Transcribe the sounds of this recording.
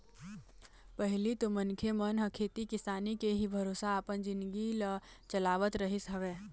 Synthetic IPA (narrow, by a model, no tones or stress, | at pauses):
pəɦɪlit̪omənkʰemənɦəkʰeːt̪ikɪsaːnikeɦibʱəɾoːsaːpənd͡ʒɪ̃nd̪ɡilət͡ʃəlaːʋət̪ɾəɦisɦəʋeː